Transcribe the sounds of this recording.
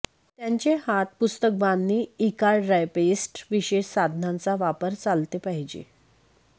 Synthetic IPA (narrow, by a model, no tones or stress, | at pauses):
t̪jaɲt͡ɕehat̪̚pust̪ək̚banːiːikaɭɾajpesʈʋiɕeɕsad̪ʱnãnt͡saʋapəɾt͡salt̪epaɦid͡ʑḛ